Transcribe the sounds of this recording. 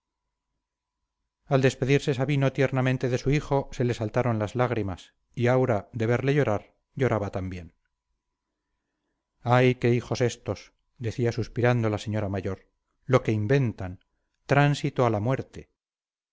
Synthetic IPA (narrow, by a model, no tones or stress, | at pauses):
ald̪e̞spe̞ðiɾse̞saβino̞t̪je̞ɾnamẽnt̪e̞ðe̞suiχo̞se̞le̞salt̪aɾo̞nlazlaɣɾimas | iawɾad̪e̞β̞e̞ɾle̞ʝo̞ɾaɾ | ɟ͡ʝo̞ɾaβat̪ambje̞n | ajke̞ixo̞se̞st̪o̞s | d̪e̞θiasuspiɾand̪olase̞ɲo̞ɾamaʝo̞ɾ | lo̞ke̞imbe̞nt̪an | t̪ɾansit̪oalamwe̞ɾt̪e̞